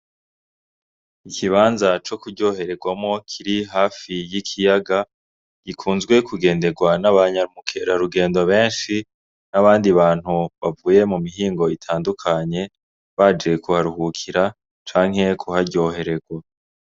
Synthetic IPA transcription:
ikʰiβaːnzat͡ʃo̞kuɟo̞ːɦe̞ɾe̞ɡwamŋo̞kʰiɾiɦaːfijikʰijaɡa | ɡ̥ikʰuːnzɡwe̞kuɡe̞ːnde̞ɡwanaβaɲaɾumukʰe̞ɾaɾuɡe̞ːndoβe̞ːnʃi | naβaːndiβaːn̥huβavuːje̞mumiɦiːŋɡo̞itʰaːndukʰaɲe̞ | βad͡ʒe̞kuhaɾuhukʰiɾa | t͡ʃaːŋ̥he̞kʰuhaɾɟo̞ːɦe̞ɾe̞ɡwa

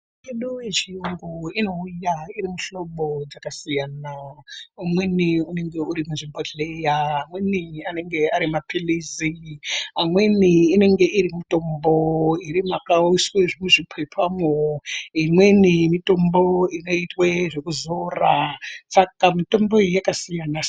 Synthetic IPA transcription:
eɗujet͡ʃiuŋɡuino̞ujairimuɬo̞ɓo̞d͡zakasijanaumweniune̞ŋɡe̞uɾimunʐimboɮejaːmwe̞niane̞ŋɡe̞aɾimapʰiliziamwe̞niːne̞ŋɡe̞ʔiɾimito̞mboiɾimakausweʐimuʐipʰepʰamoimwenimito̞mbo̞ino̞itweʐekuzorasakamito̞mbo̞ijakasijana

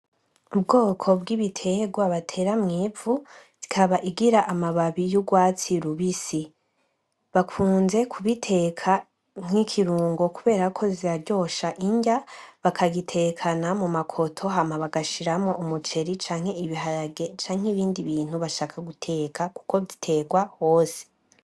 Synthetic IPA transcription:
ub̚ɡo̞ːkʰo̞bɡiβitʰe̞ɡwaβatʰe̞ːɾamŋiːvuz̥ikʰaβaʔiɡiɾaʔamaβaβijuɡwaːt͡siɾuβisi | βakʰuːnze̞kʰuβitʰe̞ːkʰa | ŋ̥hikʰiɾuːŋɡo̞kuβe̞ːɾakʰo̞ziɾaɾɟo̞ːʃaʔiɲɟaβakʰaɡitʰe̞ːkʰanamumakʰo̞tʰo̞ɦamaβaɡaʃiɾamo̞ʔumut͡ʃe̞ɾit͡ʃaːŋ̥he̞iβiɦaɾaɡe̞t͡ʃaːŋ̥heβiːndiβiːn̥huβaʃaːkʰaɡutʰe̞ːkʰaku̥ko̞βditʰe̞ːɡwaho̞ːse̥

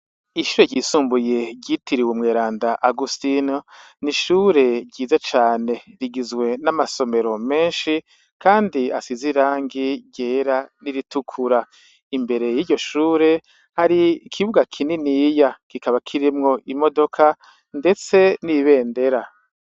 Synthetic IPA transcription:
iʃuːɾeɟiːsuːmbuje̞ɟɟitiɾiwumŋeːɾaːndaʔaɡustino | niʃuːɾe̞ɟɟiːzat͡ʃaːne̞ɾiɡizɡwe̞namaso̞me̞ɾo̞me̞ːnʃi | kʰaːndiasiziɾaːŋɡiɟeːɾaniɾitukʰuɾa | imbe̞ɾe̞jiːɟo̞ʃuːɾe̞ | haɾiːkʰiβuɡakʰininijakikaβakʰiɾimŋo̞ʔimo̞do̞kʰa | nde̞t͡se̞niβe̞ːnde̞ɾa

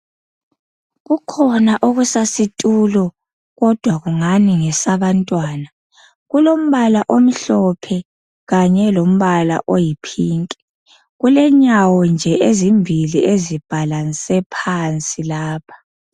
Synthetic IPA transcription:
ɣukʰɔnaʔoɣusasitʼulɔ | ɣɔd̥ʱwaɣuŋaniŋɛsaβantʼwaːna | ɣulom̩βalaʔom̩ɬɔpʰɛ | ɣaɲɛlom̩βala̰ʔojipʰiːŋkʼɛ̥ | ɣulɛɲawɔnd͡ʒʱɛʔezimbʱiliʔezib̥ʱalansɛpʰant͡sʼilaːpʰḁ

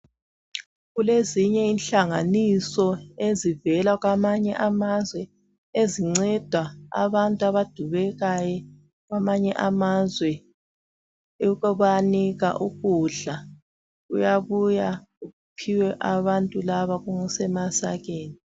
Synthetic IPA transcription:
ɣuleziɲɛinɬaŋanisɔezivɛlaɣwamaɲɛʔamazwɛ | eziŋ͡ǀɛd̥ʱwaa̰βantʼuaβad̥ʱuβɛɣajɛ | ɣwamaɲɛ̰ʔamazwɛ | ɣɔβaniɣa̰ʔuɣuɮa | ɣṵjaβujauɣupʰiwɛʔaβantʼulaβaɣuŋusɛmasaɣeːni

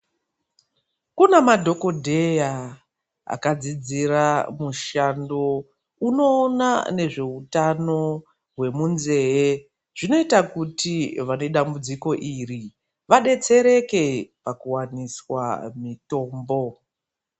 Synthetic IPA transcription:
kunemadʱo̞ko̞dʱe̞ja | a̰kad͡zid͡ziɾamuʃando̞ | uno̞ːna̰ne̞ʐe̞utano̞ | ɦwe̞munze̞e | ʐ̥ino̞itakutiʋane̞ɗambud͡ziko̞ʔiri | ʋaɗe̞t͡se̞ɾe̞ke̞pakuwaniswa̰mito̞ːmbo̞

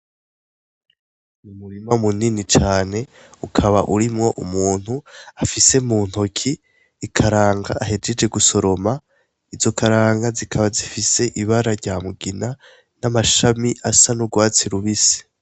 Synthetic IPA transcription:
mumuɾimamuninit͡ʃaːne̞ | ukʰaβaʔuɾimŋo̞ʔumuːn̥huafise̞muːn̥okʰiː | kʰaɾaːŋɡaʔːɦe̞d͡ʒe̞d͡ʒe̞ɡuso̞ɾo̞ma | izo̞kʰaɾaːŋɡazikʰaβazifise̞ʔiβaɾaɾɟaːmuɡina | namaʃamiʔasanuɡwaːt͡siɾuβise̥

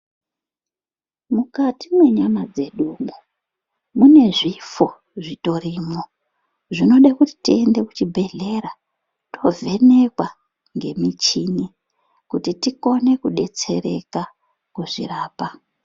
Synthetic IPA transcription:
mukatimwe̞ɲamad͡ze̞ɗuːmu | mune̞ʐifo̞ | ʐito̞rimo | ʐino̞ɗakuti̥tie̞nde̞kut͡ʃibʱe̞ɮe̞ɾa | tʰo̞vʱe̞ne̞kwa | ŋɡe̞mit͡ʃini | kutitiko̞ne̞kuɗe̞t͡se̞ɾe̞ka | kuʐḭraːpa

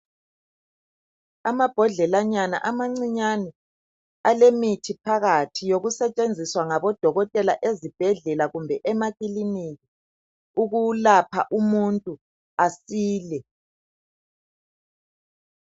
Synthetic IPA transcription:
amab̥ʱɔɮɛlaɲana̰ʔamaŋ͡ǀiɲanɛ | alemitʰipʰaɣatʰijoɣusɛt͡ʃʼend͡zʱiswaŋaβɔd̥ʱɔɣɔtʼɛlaʔezib̥ʱɛɮɛlaɣumbʱɛʔɛmaɣʼiliniɣi | uɣulapʰa̰ʔumuntʼu | asiːlɛ

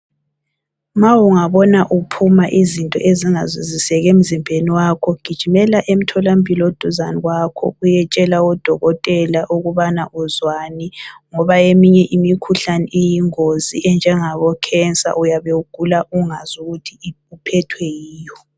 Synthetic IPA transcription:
mawuŋaβɔnaʔupʰumaʔizintʼɔ̰ʔeziŋazwizisɛɣem̩zimbʱeniwakʰɔɡ̥ʱid̥ʒ̥ʱimɛlaʔem̩tʰɔlampʼilod̥ʱuzaniɣwakʰɔ̰ujɛt͡ʃʼɛlaɔd̥ʱɔɣɔtʼɛlaʔuɣuβanaʔuzwaniŋɔβaemiɲɛʔimikʰuɬanɛʔijiŋozḭʔɛnd͡ʒʱɛŋaβɔkʰɛnt͡sʼa̰ʔujaβeuɡ̥ʱulaʔuŋazuɣutʰi | upʰɛtʰwɛjiːjɔ

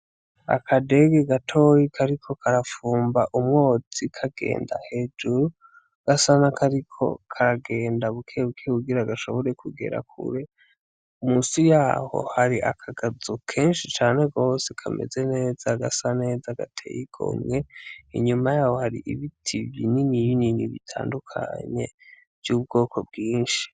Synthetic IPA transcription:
a̰kʰade̞ɡeɡatʰo̞jikʰaɾikʰo̞kʰaɾafuːmbaʔumŋo̞ːd͡zikʰaɡe̞̰ːnda̰he̞ːd͡ʒuɾu | ɡ̥asanakʰaɾikʰo̞̰kʰaɾaɡe̞ːndaβukʰeβukʰeβuɡiɾaɡaʃo̞βo̞ɾe̞kʰuɡe̞̰ɾa̰kʰṵɾe̞ | umuːsijaːho̞̰haɾiʔakʰaɡazukʰe̞ːnʃit͡ʃaːne̞ɡo̞ːsekʰame̞̰ze̞ne̞ːzaɡasane̞ːzaɡa̰tʰe̞̰jiɡ̥o̰mŋe̞ḭɲumajaːho̞haɾḭʔḭβitʰibininijininiβḭtʰa̰ːndukʰa̰ɲe̞̰ | v̥juːbɡo̞ːkʰo̞b̚ɡiːnʃi̥

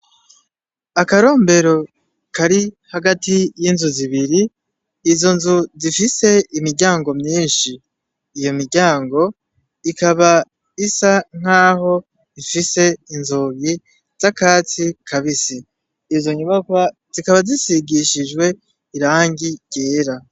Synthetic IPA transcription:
akaɾo̞ːmbe̞ɾo̞ | kaɾi | haɡatijinzuziβiɾiː | zo̞nzuzifise̞imiɾɟaːŋɡo̞mɲiːnʃiː | jo̞miɾɟaːŋɡo̞ | ikaβa | isaŋ̥aːɦo̞ | ifise̞inzoɡi | z̥akaːt͡sikʰaβisi | izo̞ɲuβakwa | z̥ikaβazisiɡiʃid͡ʒɡwe̞ | iɾaːŋɟiɟ̥eːɾa

